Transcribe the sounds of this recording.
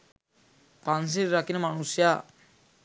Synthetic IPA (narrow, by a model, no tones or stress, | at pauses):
pans̬iɾːakinəmanusja